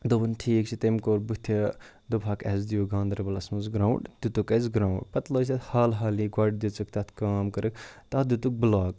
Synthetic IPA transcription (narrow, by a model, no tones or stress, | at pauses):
d̪obɐnʈʰiːkt͡ʃʰit̪emkoːɾbut̪ʰe | d̪obʰʱaːkɐzd̪ijoɡãːnd̪ɾɐbɐlɐsmɐzɡɾãːwɳʈd̪̥ut̪ukɐzɡɾaːwɖpɐt̪loːsɐt̪haːlɦaːliɡwɐɖ̚d̪it͡sɨk̚t̪ɐt̪ʰkaːmkɐɾɨkt̪ɐt̪d̪ut̪uk̚blaːk